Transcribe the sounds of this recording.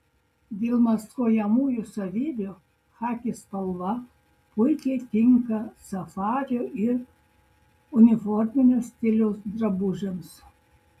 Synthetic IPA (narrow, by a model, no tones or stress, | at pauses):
d̪ʲeːlˠmɐskoːjɛmuːjusɐʋʲiːbʲoː | xɑːkʲɪspɐlˠʋɐ | pʊɪkʲɛɪt̪ʲɪŋkɐsɐfɑːɾʲoːɪɾ | ʊnʲɪfɔɾʲmʲɪnʲesʲt̪ʲɪlʲoːsd̪ɾɐbʊʒʲems